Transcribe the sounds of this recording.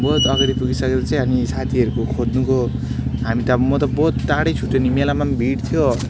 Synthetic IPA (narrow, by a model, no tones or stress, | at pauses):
bʌɦut̪ʌɡaɾipuɡisʌked̪at͡saĩanisat̪ʰiʌɾukokʰod̪nuɡo | ɦamit̪ʌmʌt̪ʌbʌɦt̪̚ːaɽʌjt͡sʰuʈːenimelamanbʱiɽt̪ʰjo